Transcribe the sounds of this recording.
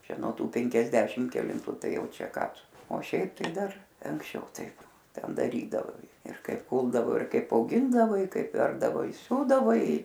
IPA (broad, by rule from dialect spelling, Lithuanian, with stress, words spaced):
ˈt͡ʃʲɛ nuɔ ˈtuː pʲɛŋʲkʲɛzʲˈdʲæːʃʲɪm kʲɛlʲɪnˈtʊ ˈtɐɪ ˈjɛʊ ˈt͡ʃʲɛ ˈkɑː ˈtʊ oː ˈʃʲɛɪp tɐɪ ˈdɐr ɐŋksʲˈt͡ʃʲɛʊ ˈtɐɪp ˈtʲɛn dɐˈrʲiːdɐʋɐɪ ɪr ˈkɐɪp ˈkuːlˠdɐʋoː ɪr ˈkɐɪp ɐʊˈɡʲɪndɐʋɐɪ ˈkɐɪp ˈʋʲɛrbdɐʋoː ɪ ˈsʲuːdɐʋɐɪ